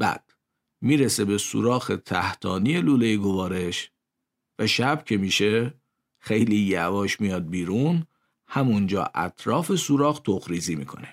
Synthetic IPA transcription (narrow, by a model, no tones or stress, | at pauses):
b̥æ̰d̪̥ | miːɾese̞be̞sṵɾɒːxet̪ʰæht̪ʰɒːniːje̞luːlejiɡovɒːɾe̞ʃ | væʃæb̥cʰe̞miːʃe̞ | xejliːjævɒːʃmijɒːd̪̚biːɾun | hæmund͡ʒɒ̰ːʔæ̰t̪ʰɾɒːfe̞suɾɒːxt̪ʰoxɾiːziːmḭːkʰo̞̰ne